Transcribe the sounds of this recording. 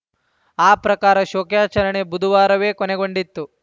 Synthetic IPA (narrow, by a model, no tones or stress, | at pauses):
aːpɾɐkaːɾɐʃoːkjaːt͡ʃɐɾɐɳe̞bud̪ʱuʋaːɾɐʋe̞ːkoneɡo̞ɳɖit̪ːu